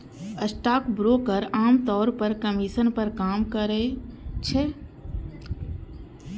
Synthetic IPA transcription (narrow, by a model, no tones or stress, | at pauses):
əsʈaːkbɾoːkəɾaːmt̪ɔːɾpəɾkəmiːʃənpəɾkaːmkəɾet͡ʃʰe